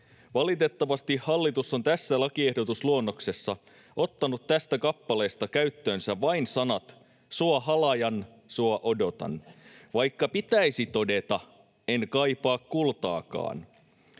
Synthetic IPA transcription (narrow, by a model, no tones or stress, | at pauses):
ʋɑlit̪e̞t̪ːɑʋɑst̪ihhɑlːit̪usːo̞nt̪æsːælɑkie̞hdot̪usluonːo̞kse̞sːɑ | ʔo̞t̪ːɑnut̪t̪ːæst̪ækɑpːɑle̞ːst̪ɑkæɥt̪ːøːnsæʋɑinsɑnɑt̪ | suɑɦɑlɑjɑn | suɑʔo̞do̞t̪ɑ̰nʋɑjkːɑpit̪æjsit̪o̞de̞t̪ɑ | enkɑjpɑːkkːult̪ɑ̰ːkɑ̰ːn